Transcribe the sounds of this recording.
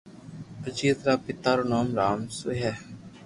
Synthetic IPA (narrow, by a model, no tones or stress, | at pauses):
əd͡ʒiːd̪ɾaːpɪt̪aːɾoːnaːmɾaːmsʊɦɛː